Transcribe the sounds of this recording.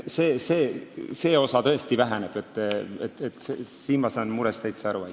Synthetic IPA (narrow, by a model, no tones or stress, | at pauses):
seːse̞ːse̞ːo̞sɑt̪ɤ̞e̞st̪ivæɦæneb̥e̞t̪ːˑet̪ːet̪ːˑsesiːnmɑsɑːnmuɾest̪æjt̪seæɾuɑj